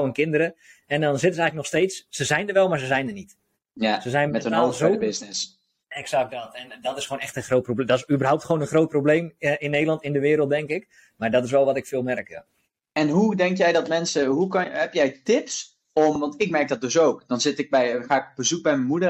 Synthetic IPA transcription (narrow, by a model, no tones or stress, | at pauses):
wənkɪndərəɛndɔnzɪtəsɛjŋləknɔxsteːtsːəzɛjndərʋɛlˠmaɹzəzɛjndənit | jasəzɛjnmɛtəoːzoəbɪsnɪs | ɛksak̚dɔtɛndɔtɪsχownɛxtənxroːtprobdɔtɪsybərɦawp̚tχoːnənχroːt̚probleːmɪnːejdlˠɑntɪndəʋɪːɾəlˠt̚dɛŋkɪk | mardɔtɪsʋɛlˠʋɔtɪkfɪːlˠmɛrkja | ɛnɦudɛŋkjɛjdɔtmɛnsəɦukhɛpjɛjtɪps | ɔmʋɑntɪkmɛrk̚dɔt̚døsowkd̥ɔnzɪtɪk̚bɛjxaːɪkbəzuk̚bɛjmɛnmudə